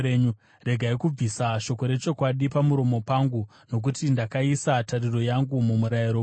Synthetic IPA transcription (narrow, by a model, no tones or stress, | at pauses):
eɲu | re̞ɡʱaikub͡visaʃo̞ko̞ɾe̞t͡ʃo̞kwaɗipamuɾo̞mo̞paŋɡu | no̞k̬utindakaisatariro̞jaŋɡumumuɾaiɾo